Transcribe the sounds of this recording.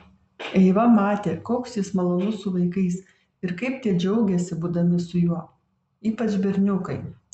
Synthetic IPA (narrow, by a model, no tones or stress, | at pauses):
ɛɪʋɐmɑːt̪ʲeːkoːksjɪsmɐlˠoːnʊsʊʋɐɪkɐɪs | ɪɾkɐɪpt̪ʲiɛd͡ʒʲɛʊɡʲɛsʲɪbuːd̪ɐmʲɪsʊjuɔ | iːpɐt͡ʃbʲɛɾʲnʲʊkɐɪ